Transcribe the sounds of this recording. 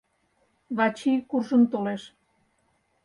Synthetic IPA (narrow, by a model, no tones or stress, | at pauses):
βɑt͡ɕikurʒə̆mt̪oleʃ